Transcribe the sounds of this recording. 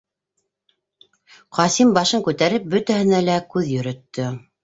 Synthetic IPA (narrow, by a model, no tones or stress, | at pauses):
qɑsimbɑʃɤŋkʉt̪æɾɘp̚bɵt̪æhɘ̆nælækʉðjɵ̆ɾɵ̆t̪ːɵ